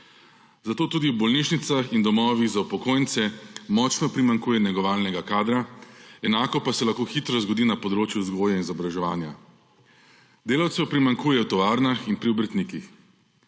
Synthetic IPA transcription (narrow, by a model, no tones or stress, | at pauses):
zat̪oːt̪uːd̪iwbɔlniʃnit̪saxind̪ɔmɔːʋiɣzaupɔkoːjnt̪sɛmɔːt͡ʃnɔpɾimaŋkuːjɛnɛɡɔʋaːlnɛɡakaːd̪ɾaɛnaːkɔpasɛlaxkoːxit̪ɾɔzɡɔd̪iːnapɔd̪ɾoːt͡ʃjuzɡoːjainzɔbɾaʒɛʋa̰ːnja | d̪eːlawt̪sɛwpɾimaŋkuːjɛwt̪ɔʋaːɾnaxinpɾiɔbɾt̪nikix